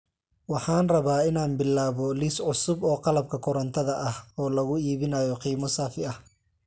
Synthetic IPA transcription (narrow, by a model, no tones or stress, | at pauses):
wɑħɑːnrɐβaːɪnaːnbɪlːaːβɔlisʕʊsʊbɔːqɑlɐb̚kʰɐkʰʊɾɐnt̪ʰɐðɐʔɐhɔːlɐɣʊiːβɪnaːjɔqiːmɔsaːfɪɐh